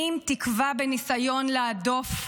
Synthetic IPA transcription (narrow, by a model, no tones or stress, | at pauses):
imtikvabenisajo̞nleado̞f